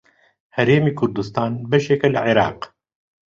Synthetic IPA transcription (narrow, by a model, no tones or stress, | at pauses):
hɛɾeːmiːkʰʊɾd̪ust̪ɑːnbɐʃeːkɛlɨʕiɾɑ̰ːq